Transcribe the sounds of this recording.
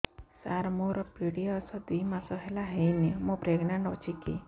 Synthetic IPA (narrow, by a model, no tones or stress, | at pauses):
saɾmuɾɔpiɽiasɔd̪imasɔɦelaɦejnemɔ̃pɾeɡɳaɳɖɔt͡ʃʰikḭ